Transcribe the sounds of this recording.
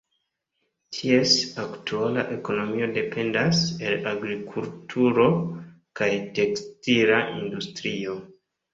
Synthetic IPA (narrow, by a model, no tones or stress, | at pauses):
tʰie̞saktʰuala̰ʔe̞ko̞no̞mio̞de̞pʰe̞ndase̞laɡɾikʰultʰuɾo̞ | kajte̞kstiɾaʔindustɾio̞